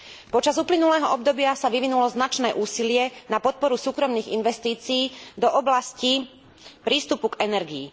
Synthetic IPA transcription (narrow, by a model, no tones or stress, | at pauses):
pɔt͡ʃazuplinulɛːɦɔɔb̚d̪ɔbɪasaʋiʋinulɔznat͡ʃnɛːʔuːsilɪɛnapɔt̪̚pɔɾusuːkɾɔmniːɣḭnʋɛst̪iːt͡siiːd̪ɔʔɔblasci | pɾiːst̪upuɡɛnɛɾɡiː